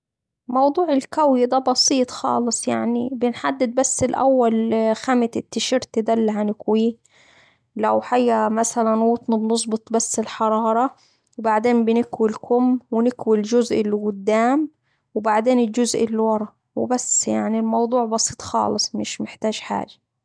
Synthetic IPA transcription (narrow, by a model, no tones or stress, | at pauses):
mɑwd̪ˤuːʕɪlkawjɪd̪abɑsiːt̪ˤxɑ̰ːlɨsˤja̰ʕnibɪnħad̪ːɪd̪̚basːɪlʔa̰wːalxamɪt̪ɪt̪ːɪʃɪɾt̪ɪd̪alːaɦanɪkwiː | lawħajːamasalanwuːt̪ˤnɑbnɨs̬ˤbɨt̪ˤbasːɪlħɑɾˤɑːɾˤɑ | wbaʕd̪eːmbɪnɪkwilkʊmwɪnɪkwɪlʒʊzʔɪlːɡʊd̪ːaːm | wbaʕd̪eːnɪld͡ʒʊzʔɪlːiwɑɾˤɑ | wɪ̰basjaʕnilmɑwd̪ˤuːʕbɑsˤiːt̪ˤxɑ̰ːlɨsˤmɪʃmɪħt̪aːʒħa̰ːʒḁ